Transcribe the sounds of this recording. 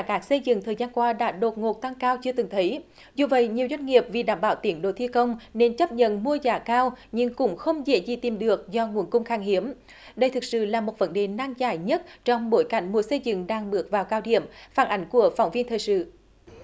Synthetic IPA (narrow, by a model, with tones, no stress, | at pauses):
kaː˦˥k̚sə˧jzɨ̰˧˨ŋt̪ʰəː˨˩jzaː˧nkwaː˧ɗa̰ː˧˥ɗo˨˩t̚ŋo˨˩t̚t̪a˧ŋkaː˧wt͡ɕɨ˧ət̪ɨ˨˩ŋt̪ʰə˨˦j | zu˨˩və̰˧˨jɲi˨˩əwzwa˧jŋ̟ŋi˨˩əp̚vi˨˩ɗaː˧˩mɓaː˧˩wt̪i˨˦ənɗo˧˩t̪ʰi˧kə˧wŋ͡mne˧nt͡ɕə˦˥p̚ɲə̰˧˨nmu˧əzaː˨˩kaː˧wɲɨ˧ŋkʊ̰˧˥ŋ͡mxə˧wŋ͡mzḛ˧˥zḭ˨˩t̪i˨˩mɗɨ˨˩ək̚zɔ˧ŋu˨˩ənkʊ˧wŋ͡mxaː˧˩ŋhi˨˦əm | ɗə˧jt̪ʰɨ˨˩k̚sɨ̰˧˨laː˨˩mo˨˩t̚və˨˦nɗe˨˩naː˧ŋzaː˧˩jɲə˦˥t̚t͡ɕɔ˧wŋ͡mɓo˧˨˦jka˧˩jŋ̟mu˨˦əsə˧jzɨ̰˧˨ŋɗaː˧ŋɓɨ˨˩ək̚vaː˨˩wkaː˧wɗḭ˧˩əmfaː˧˩nʔa˨˦jŋ̟ku˧˩əfa˨˧˩wŋ͡mvi˧ənt̪ʰəː˨˩jsɨ̰˧˨